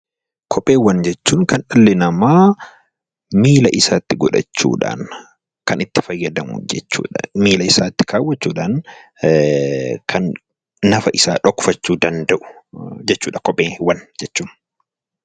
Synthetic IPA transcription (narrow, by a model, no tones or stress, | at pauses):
kʰɔpʼeːwɐnd͡ʒɛt͡ʃːuːŋkɐnᶑɐlːɛnɐmaː | miːlɐʔɪsaːt̪ːɪɡɔᶑɐ̰t͡ʃːṵːᶑa̰ːn | kɐnɪt̪ːɪ̥fɐjːɐd̪ɐmʊ̰d͡ʒɛt͡ʃːṵːᶑɐmiːlɐɪsaːt̪ːɪ̥kʰaːwːɐt͡ʃːuːᶑaːn | kʰɐnː | ɐfɐʔɪsaːᶑɔkːʊ̥fɐt͡ʃːuːd̪ɐnd̪ɐʔʊ̥d͡ʒɛt͡ʃːuːᶑɐkɔpʼːeːwɐnd͡ʒɛt͡ʃːuːn